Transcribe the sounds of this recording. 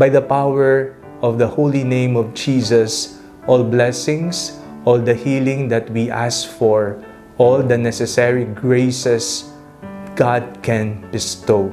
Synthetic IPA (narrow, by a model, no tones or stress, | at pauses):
bajd̪ɐpawɛɹ | ʔɔvd̪ɐholinẽj̃mɔvd͡ʒiːsɐs | ʔɔlblɛsɪ̃ŋsʔɔld̪ɐhilɪ̃ŋd̪ɐt̪̚wiʔasfɔɹ | ʔɔld̪ɐnɛsɛsɛɹiɡɹeɪsɛs | ɡ̥ad̪̚kɛ̃nbɪst̪oʊ